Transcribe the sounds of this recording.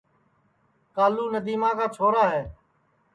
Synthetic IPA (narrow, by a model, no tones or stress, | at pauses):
kaːluːnəd̪iːmãːkaːt͡ʃʰoːɾaːɦɛː